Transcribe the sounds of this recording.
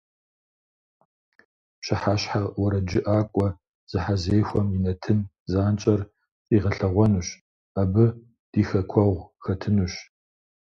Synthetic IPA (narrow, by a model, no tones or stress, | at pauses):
ɕɪħaɕħaʁwɐɾɐd͡ʒɪʔaːkʷʼɔ | z̥ɨħazeːxʷɔmjɪnɐtʰɨn | zaːnt͡ʃʼɐr | t͡sʼiːʁɐɬɐʁʷɔnuɕ | abɨ | d̥iːxɐkʷʰɔʁʷxɐtʰɨnuɕ